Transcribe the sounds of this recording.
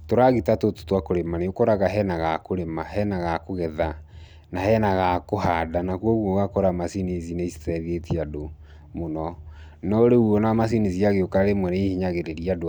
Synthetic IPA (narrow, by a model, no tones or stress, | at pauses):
toɾaɣitatoto̥twakoɾemaneokoɾaɣaɦɛnaɣakoɾemaɦɛnaɣakoɣɛða | nahɛnaɣakohadanakwɔɣwɔɣakoɾamasinizineisi̥tɛðetiado | monɔ | nɔɾeuɔnaamas̬iniziaɣeokaɾemwɛneihiɲaɣeɾeɾiad